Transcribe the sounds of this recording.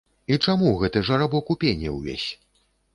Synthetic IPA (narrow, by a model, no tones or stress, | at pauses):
it͡ʂamuɣɛt̪ɨʐɐɾabɔkupʲenʲːɛ̰wvʲḛsʲ